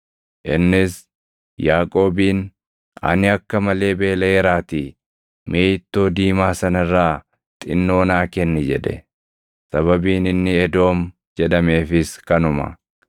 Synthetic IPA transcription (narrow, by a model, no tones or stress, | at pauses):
ʔɪnːɪs | jaːkʼo̞ːbiːn | ɐ̰nɪɐkːɐmɐle̞ːbe̞ːlɐɛɾaːt̪i | meːt̪ːo̞ːd̪iːmaːsɐnɐɪrːaː | t̪ʼɪ̰nːo̞ːnaːkɛnːɛd͡ʒɛ̰ᶑ̪ɛ̰ | sɐβɐbiːnɪnːɪɛd̪o̞ːm | d͡ʒɛᶑ̪ɐme̞ːfɪskɐnʊmɐ̰